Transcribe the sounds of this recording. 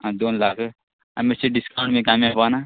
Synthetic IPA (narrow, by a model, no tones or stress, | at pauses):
ãd̪oːnlaːkʰ | ɐ̰meseɖɪskãːɳʈmẽkaːmjaːpaːna